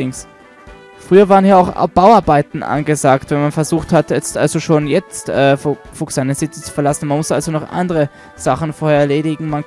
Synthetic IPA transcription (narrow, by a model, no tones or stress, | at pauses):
ɪŋs | fʁ̥yːɐvaːʁənhiːaʊxb̥aʊaɐbaɪtn̩ʔa̰nɡəzaːktvɛnmanfɛɐzuːxthatjɛt͡stʔa̰lzoʃoːnjɛt͡stʔɛːf | fʊksanəz̥ɪt͡sə̥t͡su̥fɛɐlasn̩manmʊsʔalzonɔχʔa̰ndəʁə | z̥aχn̩foːɐhɛɐɛɐleːdɪɡŋ̩man